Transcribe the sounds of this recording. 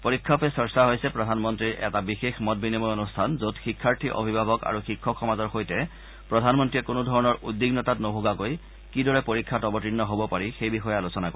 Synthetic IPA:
poɹikʰːɔpɛsɔɹsaɦojsɛpɹɔdʱanmɔntɹiɹʔɛ̰tabixexmɔt̚binimɔjonustʰanzodxikʰːaɹtʰiʔɔ̰bʱibʱabɔka̰ɹuxikʰːɔkxɔmazɔɹxojtɛ | pɹɔdʱanmɔntɹiɛkʊnʊdʱɔɹɔnɔɹʔudːiɡnɔtatnoɦoɡakoj | kidɔɹɛpoɹikʰːatɔbɔtinːɔɦobɔpaɹixejbixɔjɔalosɔnako

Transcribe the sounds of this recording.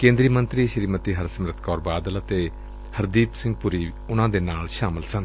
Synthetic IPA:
kẽːnd̪ɾiːmənt̪ɾiːʃəɾiːmət̪iːɦəɾsəmɾət̪ʰkɔːɾbaːd̪ələt̪eː | həɾd̪iːpsɪ̃ŋɡpʊɾiː | ʊnãːd̪eːnaːlʃaːməlsən

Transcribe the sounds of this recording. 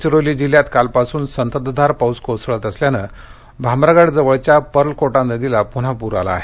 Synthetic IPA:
t͡ɕiɾolid͡ʑiljat̪kalpasuːnsənt̪əd̪d̪ʱaɾpawskosɭət̪əsljanə | bʱamɾaɡaɽd͡zəʋəɭt͡ɕjapəɾlkoʈãnəd̪ilapuɽ̤apuɾa̰la̰ːɦe

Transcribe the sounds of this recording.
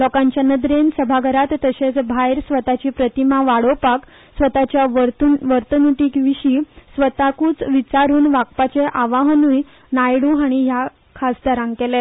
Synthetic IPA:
lɔkãɲt͡ɕjanəd̪ɾensəbʱaɡʱəɾat̪ːəɕet͡sbʱajɾsʋət̪at͡ɕiːpɾət̪imaʋaɽopak | sʋət̪at͡ɕjaɾt̪uʋəɾt̪ənuʈiːkʋiɕiːsʋət̪akuːt͡sʋit͡ɕaɾuːnʋak̚pat͡seʔaʋaɦənuːj | najɽuːɦaɽ̃iɦja | kʰasd̪aɾãŋɡkɛle

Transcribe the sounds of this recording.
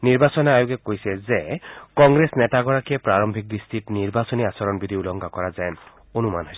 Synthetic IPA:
niɹbasɔneajukekojsɛzekɔŋɡɾesnet̪aɡɔɹakiepɾaɹɔmbʱik̚d̪istitniɹbasoniasɔɾɔnbid̪ʱiulɔŋɡʱakɔɾazajn | onuma̰nɦɔjsɛ

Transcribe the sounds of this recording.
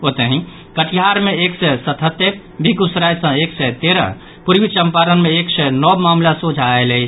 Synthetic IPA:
ot̪əɦĩ | kəʈʰiɦaɾmeeksɛsət̪ʰət̪ːe | bʱiɡusɾajsə̃eksɛt̪eɾə̰̃ | puɾʋit͡ʃəmpaɾənmeːksɛnɔbmamlasud͡ʒʱaeləi

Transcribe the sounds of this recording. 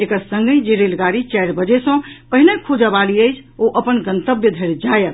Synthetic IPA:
ekəɾsəŋɡəid͡ʒeɾelɡaɾit͡ʃajɾbəd͡ʒesə̃pəɦinekʰud͡ʒəbaliəjt͡ʃʰoʔəpənɡənt̪əbjəd̪ʱeɾd͡ʒajət̪

